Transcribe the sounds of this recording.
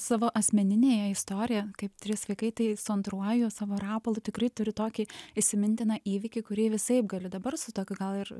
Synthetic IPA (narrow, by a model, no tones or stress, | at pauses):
sɑːʋoːʔɐsʲmʲɛnʲɪnʲeːjɛɪst̪oːɾʲɪjɛkɐɪpt̪ʲɾʲɪsʋɐɪkɐɪt̪ɐɪsʊɐnt̪ɾuɔjʊsɑːʋoːɾɑːpɐlˠʊt̪ʲɪkɾɐɪt̪ʊɾʲɪt̪oːkʲiɪʃʲsʲɪmʲɪnʲt̪ʲɪnɑʔiːʋʲɪkʲɪkʊɾʲiɛʋʲɪsɐɪp̚ɡɐlʲɪd̪ɐbɐrsʊt̪oːkʲʊɡɐlˠɪr